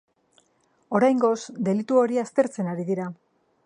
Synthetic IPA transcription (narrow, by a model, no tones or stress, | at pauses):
o̞ɾajŋɡo̞sd̪e̞lit̪uo̞ɾiast̪e̞ɾt͡se̞naɾiðiɾa